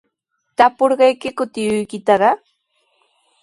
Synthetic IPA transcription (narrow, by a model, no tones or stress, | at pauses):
t̪apoɾɢɑjkɪkʊt̪ɪjʊjkɪt̪aɾɑ